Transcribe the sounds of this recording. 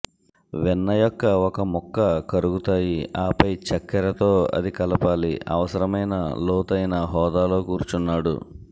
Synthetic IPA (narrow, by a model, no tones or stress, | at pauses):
ʋɛnːɐjɔkːɐɔkɐmɔkːɐkɐɾuɡut̪aːjiaːpɐjt͡ʃɐkːɐɾɐt̪o̞ːɐ̰d̪ikɐlɐpaːliɐ̰ʋɐsɐɾɐmɐjnɐlɔːt̪ɐjnɐɦɔːd̪aːlo̞ːkuːɾt͡ʃunːaːɽṵ